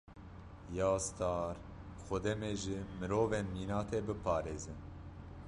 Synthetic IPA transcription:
jɑːst̪ɑːɾ | xɔd̪ɛmeʒɨmɨɾoːveːnmiːnɑːt̪ʰeːbɨpʰɑːɾeːzɨn

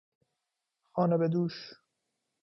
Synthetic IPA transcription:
xɒːnebed̪uːʃ

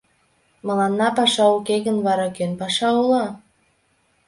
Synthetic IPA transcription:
mɤ̆lɑnːɑpɑʃɑukeɣə̆nβɑɾɑkønpɑʃɑulɑ

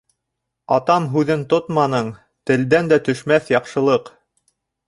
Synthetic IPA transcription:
ɑt̪ɑmɦʉðɘnt̪ot̪mɑnɤɴ | t̪ɘ̆ld̪ænd̪æt̪ɵ̆ʃmæθjɑqʃɤ̆lˠɤq

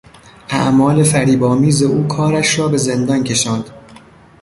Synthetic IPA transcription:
ʔæ̰ʔmɒːle̞fæɾiːbɒːmiːzeʔuːkʰɒːɾæʃɾɒːbe̞ze̞nd̪ɒncʰe̞ʃɒːnd̪̥

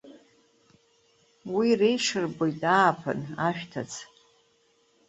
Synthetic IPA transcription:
wirejʂɨrbojtaːpʰɨ̰naʃᶣtʰat͡sʰ

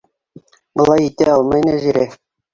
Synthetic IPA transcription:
bɤ̆lˠɑjit̪æɑlˠmɑjnæʒiɾæ

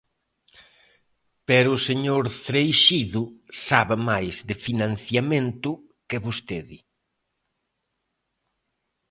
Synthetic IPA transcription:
pɛɾʊːseɲoɾθɾejʃiðʊsaβamajzðɪfinãn̟θjament̪ʊ | kɪβust̪eðɪ

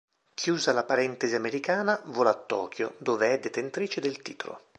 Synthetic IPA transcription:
kʰjuːzalapaɾɛnt̪eziameɾikaːnavolat̪ːɔ̰ːk̟ʰjo̰d̪oːveɛd̪ːet̪ent̪ɾiːt͡ʃed̪elt̪iːt̪o̰lo̰

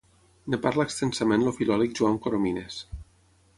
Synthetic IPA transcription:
nepaɾlaekst̪ensamẽnlofilɔlik̚ʒuaŋkoɾomines

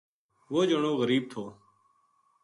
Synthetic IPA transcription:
ʋoːd͡ʒəɳoːɣəɾiːb̚t̪ʰoː

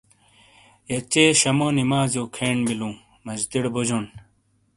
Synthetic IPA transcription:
jɐt͡ɕeːɕɐmoːnimaːzjoːkʰeːɳbilũː | mɐd͡ʑd̪iɽbod͡ʑon

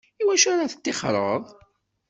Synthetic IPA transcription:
iwæʃaɾaθə̥t̪ːɪχɾˤəðˤ

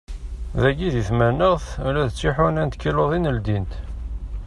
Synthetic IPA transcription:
ðæɡiðiθmænəʁθlæðət͡sːiħʊnænt̪kiloðˤinəld̪int̪

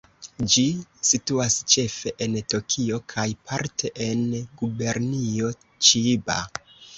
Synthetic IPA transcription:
d͡ʒisituast͡ʃe̞fe̞ʔento̞kʰio̞kʰajpʰaɾtʰe̞ʔenɡube̞ɾnio̞ | t͡ʃiba̰

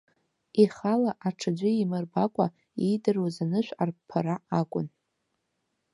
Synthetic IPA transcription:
iχalaʔaʈ͡ʂʰɨd͡ʒʷɪimɨrbakʷʼa | idɨrwazanɨʃᶣʷarpʰaɾaakʷʼʊn

